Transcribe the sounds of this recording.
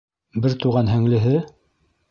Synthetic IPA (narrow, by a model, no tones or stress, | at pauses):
bɘɾt̪uʁɑnɦɘ̆ŋlɘ̆ɦɘ